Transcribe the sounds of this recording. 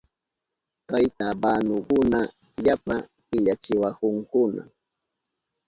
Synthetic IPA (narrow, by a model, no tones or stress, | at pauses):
kajt̪abaːnʊkʊna | japa | ɪʎat͡ʃɪwakʊŋkʊna̰